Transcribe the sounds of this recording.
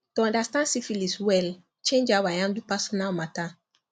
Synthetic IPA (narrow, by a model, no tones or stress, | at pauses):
tuãndastãnsifiliswɛl | t͡ʃẽnd͡ʒawajãndupasɔnalmata